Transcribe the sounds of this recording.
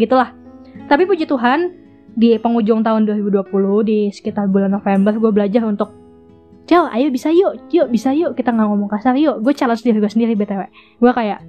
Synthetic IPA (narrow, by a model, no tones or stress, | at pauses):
ɡit̪ulah | t̪apipud͡ʒit̪uɦan | dipəŋud͡ʒʊŋt̪aʊnduaɾibuduapulʊhdisə̥kit̪arbulanːofembərɡuabəlad͡ʒarunt̪ʊk̚ | t͡ʃaʔa̰jobisaijoʔjoʔbisajokit̪aŋaŋomɔŋkasarijoʔɡuat͡ʃalɔnsəndiɾiɡuasəndiɾibɛt̪awɛʔ | ɡuakajaʔ